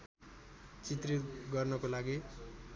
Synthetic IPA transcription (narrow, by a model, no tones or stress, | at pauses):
t͡sit̪rit̪ɡʌrnʌkolaɡi